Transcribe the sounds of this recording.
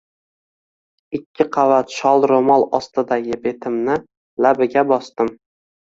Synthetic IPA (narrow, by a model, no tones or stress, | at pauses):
ɪkʲʰːɪqʰɑvat̪ʃɒlˠɾomɒlˠɒst̪ɪd̪aɡʲɪbe̞t̪ʰɪmnɪ | labɪɡʲabɒst̪ɪm